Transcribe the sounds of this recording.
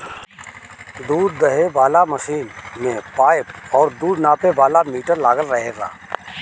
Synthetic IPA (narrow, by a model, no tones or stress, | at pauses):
d̪uːɾd̪ɐɦeʋaːlamɐʃiːnmẽpaːɪp̚ɔːɾd̪uːɾnaːpebaːlamiːʈəɾlaːɡəlːɐɦeɾa̰ː